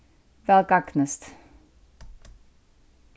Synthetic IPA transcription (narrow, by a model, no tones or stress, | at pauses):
vɛlkɑknəst̪